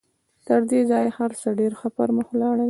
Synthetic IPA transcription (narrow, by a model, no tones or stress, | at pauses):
t̪əɾd̪ezɑjhaɾsaɖeɾxəpəɾməxwlɑɽaw